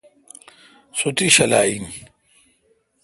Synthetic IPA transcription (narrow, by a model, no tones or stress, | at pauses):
sut̪iɕɐla̰ːin